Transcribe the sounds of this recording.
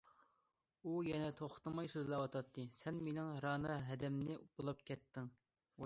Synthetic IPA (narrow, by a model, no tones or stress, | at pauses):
ujɛnɛt̪ʰoχt̪ɨmɑjsøzlɛwɑt̪ʰɑt̪ʰːɨsɛnmenɪŋɾɑːnɨɦɛd̪ɛmnɪbulˠɑp̚kʲʰɛt̪ːɪŋ